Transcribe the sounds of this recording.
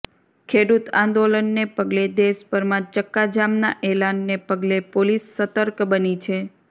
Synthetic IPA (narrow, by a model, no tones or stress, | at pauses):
kʰeɽut̪ãnd̪olənːepəɡled̪eʃpəɾmãt͡ʃəkːad͡ʒamnaʔelanːepəɡlepolisːət̪əɾkbənit͡ʃʰe